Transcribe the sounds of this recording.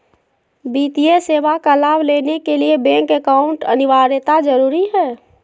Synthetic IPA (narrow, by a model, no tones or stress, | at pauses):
biːt̪ieseːʋakalaːbleːnekeliebɛ̃ŋkekaːʊ̃ɳʈə̰nɪʋaːɾet̪ad͡ʒəɾuːɾiɦɛː